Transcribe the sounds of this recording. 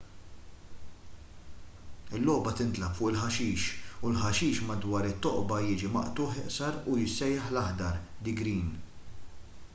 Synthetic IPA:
ɪlːɔːbɐt̪ɪnt̪lɐpfʊʔɪlħɐʃiːʃulħɐʃiːʃmɐd̪wɐːɾɪt̪ːɔʔbɐjɪːd͡ʒimɐ̰ʔt̪ʊːħɪʔsɐɾujɪsːɛjːɛħlɐħd̪ɐɾd̪ɪɡɾiːn

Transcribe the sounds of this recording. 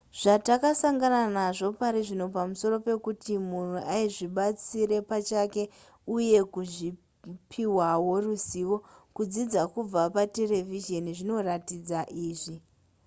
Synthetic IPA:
ʐ̥atakasaŋɡananaʐo̞paɾiʐinopamuso̞ro̞pe̞kutimunweʔaiʐiɓat͡siɾe̞pat͡ʃake̞ | uje̞kuʐi | pʰiwawo̞rusiʋo̞kud͡zid͡zakub͡vapate̞le̞viʒe̞niʐino̞ratid͡zaʔiːʐi

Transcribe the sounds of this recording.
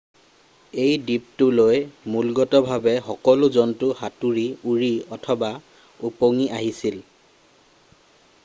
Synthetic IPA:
ejdip̚tʊlojmulɡɔtɔbʱabɛxɔkɔlʊzɔntʊhatuɹiuɹiɔtʰɔba | upoŋiʔaɦisil

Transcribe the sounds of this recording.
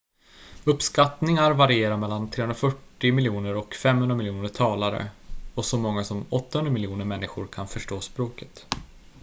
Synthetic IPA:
ɵpskat̪nɪŋaɾvaɾɪeːɾamɛlːant̪ʰɾeːhɵnɾafœʈːɪmɪljuːnəɾɔkfɛmːhɵnɾamɪljuːnəʈʰɑːlaɾə̰ɔsɔmɔŋːasɔmɔt̪ːahɵnɾamɪljuːnəɾmɛnːɪɧʊ̰ɾkʰanfœʂʈoːspɾoːkə̥t̪

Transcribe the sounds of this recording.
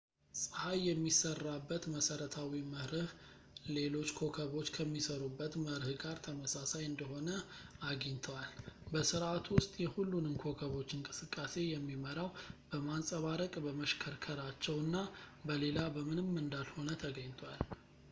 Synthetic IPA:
sʼɨhajːɛmːisərːabːət̪məsəɾət̪ʰawiməhɾɨh | le̞lo̞t͡ʃːkʰo̞kʰəβo̞t͡ʃːkʰəmːisəɾubːət̪məɾɨhɡaɾt̪ʰəməsasajɨnd̪əɦo̞nəaɡiɲt̪ʰəwalbəsɨɾʔat̪ʰwʊst̪ʼjɛhulːunɨnkʰo̞kʰəβo̞t͡ʃːɨŋkʼɨsɨkʼːase̞jɛmːiməɾawb̥əmansʼəβaɾəkʼbəməʃkʰəɾkʰəɾat͡ʃːɛwɨnːabəle̞labəmɨnɨmɨnd̪alho̞nət̪ʰəɡəɲt̪ʰwal

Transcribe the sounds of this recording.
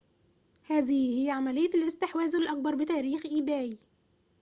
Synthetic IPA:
hæːðɪhhɪjːæʕamælɪjːælʔɪst̪ɪħwæːzɪlʔæk̚bɑɾˤbɪt̪æːɾiːxʔiːbæːj

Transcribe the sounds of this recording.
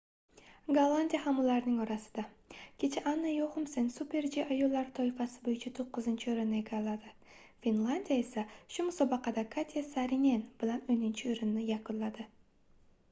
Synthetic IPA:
ɡalˠanʲd̪ʲijahamʊlˠaɾnɪŋɒɾasɪ̥d̪a | kʲʰet͡ʃʰaʔanːajohʊmsensupʰʲe̞ɾd͡ʒiʔajolˠːaɾt̪ʰɒjɪfasɪbojɪt͡ʃʰat̪ʰoqːɨzɪnt͡ʃʰɪoɾɪnːɪeɡʲalad̪ɪ | fʲinlˠanʲd̪ʲijaesaʃʊmʊsɒbɑqɑd̪akʰat̪ʲʰijasaɾinʲenb̥ɪlanɵnɪnt͡ʃʰɪɵɾɪnːɪjakʊnlad̪ɪ

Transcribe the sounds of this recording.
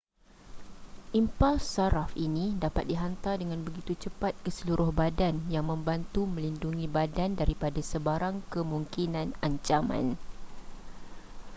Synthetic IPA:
ʔimpalsaɾafinĩdapat̪̚diɦant̪ardəŋãnbəɡit̪ut͡ʃəpat̪̚kəsəluɾʊhbadanjaŋmə̃mbant̪umə̃linduŋĩbadandaɾipadasəbaɾaŋkəmuŋkinãnaɲt͡ʃamã̰n

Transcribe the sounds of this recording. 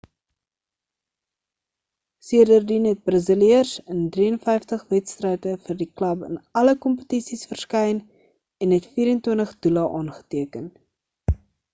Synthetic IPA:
siədərdinɦɛt̚brəzəliərsəndriənfɛjftəχvɛtstrɛjtəfərdiklɐbə̰nɐləkɔmpə̥tisisfərskɛjn | ɛnɦɛtfiːɾəntwiəntəχdulɐʔɑːnχə̥tiəkən

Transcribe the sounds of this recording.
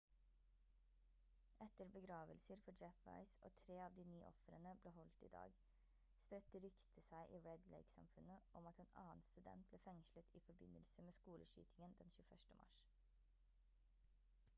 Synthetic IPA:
ʔɛt̪əɾbəɡɾɑːʋəlsəɾfɔd͡ʒɛfʋɑ̰ɪsʔo̰ːt̪ʰɾeːɑːʋd̪iːnyːʔɔ̰fəɾənəbleːɦɔlt̪ḭd̪ɑ̰ːɡ | spɾɛt̪ːəɾʏkt̪ʰəsæɪʔiːɹɛd̪lɛ̰ɪɡsɑ̰mfʉnəʔɔmɑt̪eːnɑ̰ːənst̪ʉd̪ɛ̰nt̪̚b̥leːfɛŋʃlət̪ʰiːfɔɾbɪnəlsəmeːskuːləʃy̰ːt̪ʰɪŋənd̪ɛnʃʉːfœʂʈəmʔɑ̰ʃ

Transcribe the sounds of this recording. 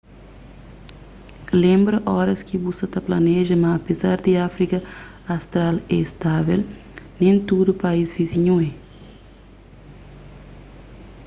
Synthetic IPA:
lẽmbɾɐʔɔɾɐskibusɐt̪ɐplɐnɛʒɐmɐːpezaɾd̪iafɾikɐ | ɐst̪ɾalɛst̪avḛlnẽnt̪ud̪upɐizviziɲuɛ

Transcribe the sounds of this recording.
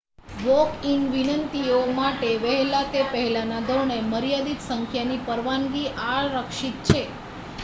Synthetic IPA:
ʋokiŋɡʋinənt̪iomaʈeʋəɦlat̪epəɦɛlanad̪ʱəɾɳeməɾjad̪it̪səŋkʰjanipəɾʋanɡiʔaɾəkʃit̪̚t͡ʃʰe

